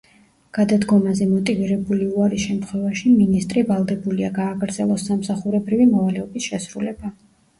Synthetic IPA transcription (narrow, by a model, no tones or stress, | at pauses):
ɡ̥ad̪ad̪ɡɔmazɛmɔt̪ʼiviɾɛbuliuaɾisʃɛmt̪ʰχwɛvaʃiminist̪ʼɾivalˠd̪ɛbuliaɡaːɡɾd̪zɛlˠɔsːamsaχuɾɛbɾivimɔvalɛɔbisʃɛsɾulɛba